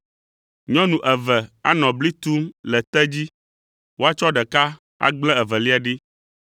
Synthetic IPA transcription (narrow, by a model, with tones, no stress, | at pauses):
ɲɔ̃˦nũ˨ʔɛ˨vɛ˨a˦nɔ̃˨bli˦t̪u˦mlɛ˨t̪ɛ˦d͡ʑi˦ | wo˦a˦t͡ʃɔ˦ɖɛ˨ka˦ | a̰˦ɡ͡blɛ˦ɛ˨vɛ˨li˦a˨ɖi˦